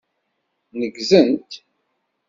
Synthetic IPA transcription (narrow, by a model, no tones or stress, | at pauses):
nəɡzənt̪